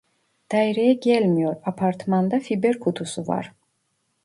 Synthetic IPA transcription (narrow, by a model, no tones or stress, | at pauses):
d̪̥ɑjɾejɛɟɛlʲmijoɾapʰaɾt̪ʰmand̪ɑfibeɾkʰut̪ʰusuvɑ̰ɾ